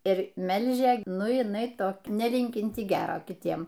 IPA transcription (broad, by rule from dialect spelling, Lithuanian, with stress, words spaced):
ɪr ˈmʲɛlʲʒʲɛ ˈnʊ jɪˈnɐɪ ˈtoːk nʲɛˈlʲɪŋʲkʲɪnʲtʲɪ ˈɡʲæːroː kʲɪˈtʲiɛm